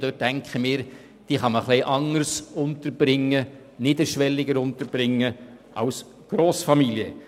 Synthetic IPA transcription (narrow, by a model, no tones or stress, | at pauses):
d̥øt̚ːɛŋkχəmɪːɾ | d̥iːχɑməχlɪʔɑŋəɾsʊntəɾb̥ɾɪŋːə | nɪd̪əʃʋɛlːɪɡəɾʊnt̪əɾb̥ɾɪŋːəʔɑʊs | ɡ̥ɾoːsfɑmiljə